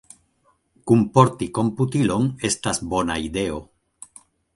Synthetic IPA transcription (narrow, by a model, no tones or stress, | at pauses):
kumpoɾt̪ikomput̪iloŋest̪azbonaiðeo